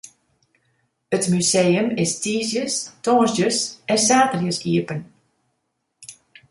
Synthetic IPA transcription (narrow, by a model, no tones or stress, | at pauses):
ətmysejəmɪstiːsjəstɔːzdəsɛnsaːtərjəsiəpən